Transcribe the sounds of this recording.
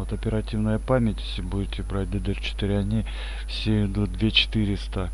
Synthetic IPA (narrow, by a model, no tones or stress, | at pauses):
ot̪ɐpʲɪɾɐtʲivnəjəpamʲɪtʲe̥sʲɪbudʲɪtʲɪbɾat̚ʲd̪əd̪ərt͡ɕɪ̥t̪ɨɾʲɐnʲi | fsʲeɪd̪ud̪vʲet͡ɕɪ̥t̪ɨɾʲɪst̪ə